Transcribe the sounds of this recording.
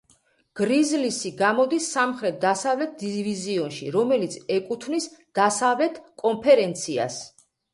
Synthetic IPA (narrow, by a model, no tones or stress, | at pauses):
ɡ̥ɾizlisiɡamɔd̪isːamχɾɛt̪̚ʰd̪asavlɛt̪̚d̪iviziɔnʃḭɾɔmɛlit̪sʰɛkʼut̪ʰvnisd̪̥asavlɛt̪ʰkʼɔmpʰɛɾɛnt̪sʰia̰s